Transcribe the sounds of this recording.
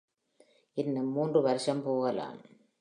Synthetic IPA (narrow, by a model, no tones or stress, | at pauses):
ɪnːɯmːuːndrɯʋɐɾɯʂɐmpoːɣɐla̰ːm